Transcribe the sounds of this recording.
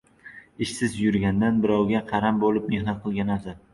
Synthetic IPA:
ɪʃsɪzjʊɾɡʲand̪anbɪɾɒwɡʲaqʰɑɾambolɪpmehnat̪̚qʰɨlˠɡʲanasa

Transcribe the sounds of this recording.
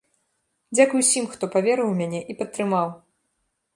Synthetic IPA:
d͡zʲakujusʲimxt̪ɔpavʲɛɾɨwmʲanʲɛʔipɐt̪ːɾɨmaw

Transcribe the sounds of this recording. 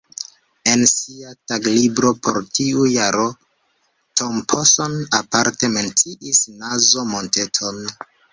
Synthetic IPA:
e̞nsiataɡlibɾo̞po̞̰ɾtiujaɾo̞ | tʰompʰosonapaɾte̞me̞nt͡siʔisnazo̞mo̞nte̞tʰo̞n

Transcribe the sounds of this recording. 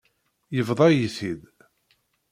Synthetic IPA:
jəvðˤɑjiθid̪

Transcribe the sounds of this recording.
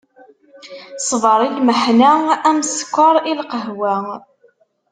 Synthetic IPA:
sˤvəɾˤilməħnææmskʷːɑɾˤilqəɦwæ

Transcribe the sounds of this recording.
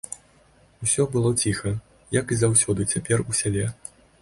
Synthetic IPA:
usʲɔbɨlˠɔt͡sʲixɐ | jɐkizawsʲɔd̪ɨt͡sʲapʲɛrusʲalʲɛ

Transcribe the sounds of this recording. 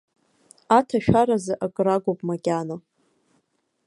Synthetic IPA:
atʰaʃᶣʷaɾazɨʔaɡʼraɡʷopʼmaɡʲʼano

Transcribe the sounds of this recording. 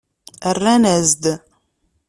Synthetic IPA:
ərːænæzd̪

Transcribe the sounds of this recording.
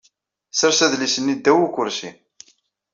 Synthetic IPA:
səɾsæðlisənːid̪ːæwukʷːʊɾsḭm

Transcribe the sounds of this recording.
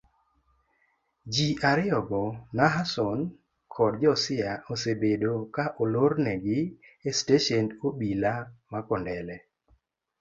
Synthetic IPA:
d͡ʒiʔaɾɪɔɡɔnaɦasɔn | kʰɔdd͡ʒɔsɪjaosebedokaʔoloɾnɛɡɪesteʃɛndobilamakɔndɛlɛ

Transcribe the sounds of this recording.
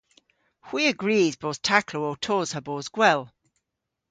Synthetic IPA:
hw̥iːəɡɹiːzboːθtʰakʰlootʰɔːz̥həboːzɡwɛlˠ

